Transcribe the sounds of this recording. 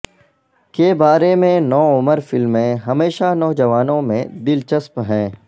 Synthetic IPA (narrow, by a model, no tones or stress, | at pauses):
kebaːɾemẽnɔːʊməɾfɪlmẽɦɐmeːʃanɔːd͡ʒɐʋaːnõmẽd̪ɪlt͡ʃəspɦɛ̃ː